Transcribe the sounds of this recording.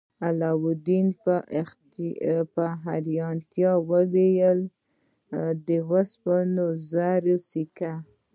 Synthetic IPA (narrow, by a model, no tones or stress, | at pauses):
alɑwʊd̪inp | paɦaɾjɑnt̪jɑwəwejəl | d̪əwaspənozaɾosika